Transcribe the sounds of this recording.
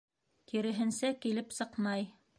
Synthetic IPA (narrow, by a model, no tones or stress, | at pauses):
k̪iɾɘ̆ɦɘ̆nsækilɘpsɤqmɑj